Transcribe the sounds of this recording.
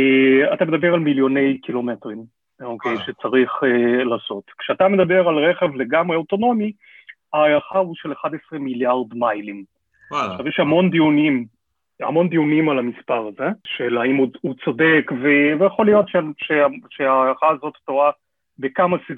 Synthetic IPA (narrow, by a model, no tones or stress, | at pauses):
eatame̞d̪abe̞ʁalmiljo̞ne̞jkilo̞metʁim | okʰejʃet͡saʁiχelaːso̞tkʃeatame̞d̪abe̞ʁalʁeχe̞vle̞ɡamʁeoto̞no̞mi | aːjaχauʃe̞leχadesʁemiljaʁdmajlim | aʃavjɛʃhamo̞nd̪iunim | a̰mo̞nd̪ijunimalamispaʁazeʃelaimuut͡so̞de̞kvevejaχo̞lijo̞tʃeʃeaʃeaːjaχaːzo̞ttoa | bekamasi